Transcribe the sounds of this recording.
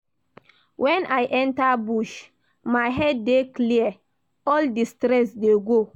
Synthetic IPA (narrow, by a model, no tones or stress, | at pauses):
wʔɛ̃nʔajʔɛ̃ntabuʃ | maɪɦɛd̚ːekliə | ɔldistɾɛsdeɡo